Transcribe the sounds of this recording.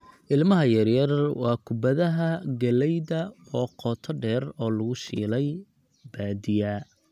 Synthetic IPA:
ʔɪlmɐɦɐjɐrjɐrwɑːkʰʊbɐðɐɦɐɡɐlɛjðɐɔːqɔːt̪ʰɔɖɛːrɔːlɐɣʊʃiːlɛj | baːd̪ɪjɐ

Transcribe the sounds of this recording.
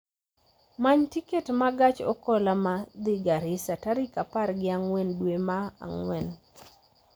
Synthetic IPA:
maɲtiketmaɡat͡ʃɔ̰kɔlamad̪ɪɡaɾɪsataɾɪkaparɡɪaŋwɛndwemaa̰ŋwɛn

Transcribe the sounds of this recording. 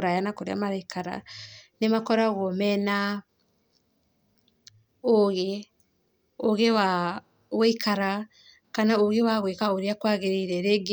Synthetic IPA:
ɾajanakoɾḛa̰maɾaikʰaɾa̰nemakɔɾaɣwɔmɛna | oɣe | oɣewa | ɣweikʰaɾa | kanaoɣewaɣwekaoɾeakwaːɣeɾeɾɛɾeɡ

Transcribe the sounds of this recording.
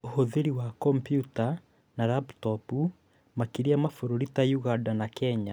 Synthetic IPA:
ohoðeɾiwakɔmpjuta | naɾaptɔpu | makiɾiamafoɾoɾitajuɣadanakɛɲa

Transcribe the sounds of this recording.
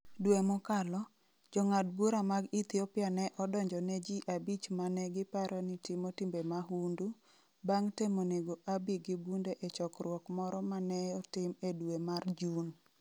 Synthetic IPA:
dwemʊkalɔ | d͡ʒɔŋad̚buɾamaɡit̪jopjanɛʔɔdɔɲd͡ʒɔnɛd͡ʒiʔabit͡ʃmanɛɡɪpaɾʔɔnɪtimotimbemaɦundu | baŋtemoneɡoʔabiɡɪbundeʔet͡ʃɔkrwɔkmɔɾɔmanɛɔtɪmedwemard͡ʒun

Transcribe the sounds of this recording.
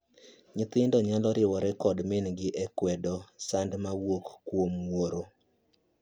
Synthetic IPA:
ɲɪt̪ɪndɔɲalɔɾɪwɔɾɛkɔdmɪnɡɪʔɛkwɛdɔsandmawokːwomwoɾo

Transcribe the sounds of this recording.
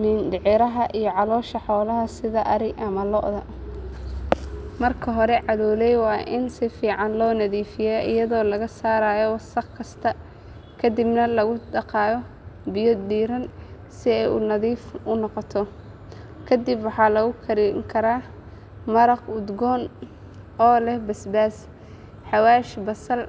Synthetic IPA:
nɪndɪʕɪɾɐɦɐʔijɔʕɑlɔːʃɐħɔːlɐɦɐsɪðɐʔɐɾɪɡʔɐmɐlɔ̰ʔðɐ | mɐrkʰɐɦɔɾɛʕɑðɔːlɛjwɑːʔɪnsɪfiːʕɑnlɔːnɐðiːfɪjɛːʔɪjɐðɔːlɐɣɐsaːɾaːjɔwsɐqkʰɐst̪ʰɐ | kʰɐd̪ɪbnɐlɐɣʊɖɑqɑːjɔ | bɪjɔd̪iːɾɐn | sɪɛjʊ̰nɐðiːfʊnɔqɔt̪ʰɔ | kʰɐd̪ɪbwɑħɑːlɐɣʊkʰɐɾiŋkʰɐɾaː | mɐɾɐqʊd̪ɡɔːn | ɔːlɛhbɐsbaːs | ħɑwaːʃbɐsɐl

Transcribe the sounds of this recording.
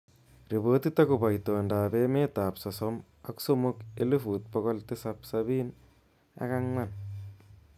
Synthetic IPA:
ɾiboːt̪it̪akupajt̪ondaːbemet̪apsasɔm | a̰ksomukelufuːt̪̚pɔkɔlt̪esapsabiːn | a̰kaŋman

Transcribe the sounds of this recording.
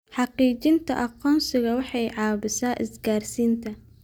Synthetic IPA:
ħɑqiːt͡ʃɪnt̪ʰɐ̰ʔɑqɔːnsɪɣɐwɑħɑjʕɑːβɪsaːʔɪsɡaːrsiːnt̪ʰɐ

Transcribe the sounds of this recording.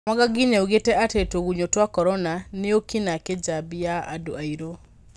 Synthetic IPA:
maɣaɡiɲauɣetɛʔatetoɣuɲotwakɔɾɔnaneokinaked͡ʒabiaado̰aiɾo

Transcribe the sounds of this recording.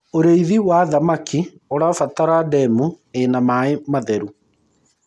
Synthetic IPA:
oɾeiðiwaðamakʰi | oɾaofataɾadɛmu | enamaemaðɛɾu

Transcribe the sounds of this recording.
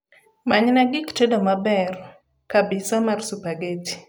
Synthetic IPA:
maɲnaɡɪkt͡ʃedomabɛr | kabɪsamarsupaɡeti̥

